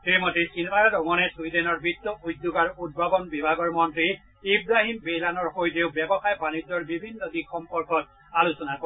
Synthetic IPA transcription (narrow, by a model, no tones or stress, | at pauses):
kiɾimɔtesinbaɹadɔŋɔnɛsujdɛnɔɹbɹitːɔʔujd̪ːuɡaɹud̚bʱabɔnbibʱaɡɔɹmɔntɹi | ibɹaɦimbejlanɔɹxojteʊbɛbɔxajbanid͡ʒɔɹbibʱinːɔdikxɔmpɔɹkɔt | alusɔnako